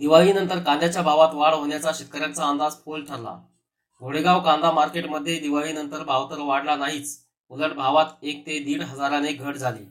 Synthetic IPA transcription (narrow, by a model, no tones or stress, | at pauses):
d̪iʋaɭiːnənt̪əɾkãnd̪jat͡ɕjabʱaʋat̪ʋaɽɦoɳjat͡saɕit̪̚kəɾjant͡saːnd̪ad͡zfolʈʰəɾla̰ | ɡʱoɽeɡaʋkãnd̪amaɾkeʈməd̪ʱːjed̪iʋaɭiːnənt̪əɾbʱaʋt̪əɾʋaɽlanaɦiːt͡s | uləɽbʱaʋat̪ek̚t̪ed̪iːɽɦəd͡zaɾaneɡʱəɽd͡zʱalḭː